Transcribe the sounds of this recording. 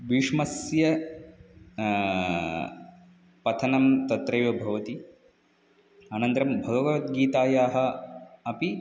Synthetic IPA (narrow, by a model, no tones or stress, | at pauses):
ʋiʂmɐsjɐ | pɐt̪ʰɐnɐmt̪ɐt̪ɾɐjoːbʱɐʋɐt̪i | anɐnt̪ɾɐmbʱɐɡɐʋɐʋɐt̪ɡiːt̪aːjaːɦɐ̆ɐpi